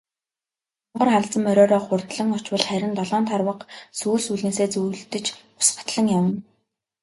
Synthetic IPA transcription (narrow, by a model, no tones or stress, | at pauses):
ʊɴɢə̆rχaɮt͡sə̆mœɾʲɔːɾɔːχʊrt̪ɮə̆ŋɔt͡ɕwə̆ɮχæɾʲɪ̆nt̪ɔɮɔːnt̪ʰarwə̆qsuːɮsuɮeːseːt͡sujɮt̪ɘ̆t͡ɕ | ʊ̥sə̆t̪ɮə̆ŋjam̆n